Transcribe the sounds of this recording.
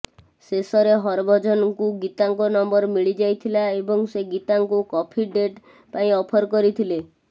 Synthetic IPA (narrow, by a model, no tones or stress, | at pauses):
sesɔɾeɦɔɾbʱɔd͡ʒɔnkuɡit̪aŋkɔnɔmbɔɾmiɭid͡ʒajt̪ʰilaebɔŋseɡit̪aŋkukɔpʰiɖeʈ | paĩɔpʰɔɾkɔɾit̪ʰile